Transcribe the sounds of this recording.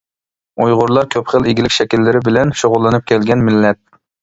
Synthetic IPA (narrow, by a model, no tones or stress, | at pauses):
ujʁʊɾlˠɑɾkʲʰøpχəlˠiɡʲilɪkʲʃɛkʲilːɪɾɪbɪlɛnʃoʁʊlˠːɨnɨp̚kʲʰɛlɡʲɛnmɪlːɛt̪̚